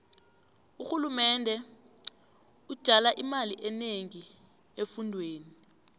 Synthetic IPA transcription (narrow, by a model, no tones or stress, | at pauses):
uxulumɛndʱɛ | ud̥ʒ̥ʱalaʔimaliʔɛneŋi | efundʱweːni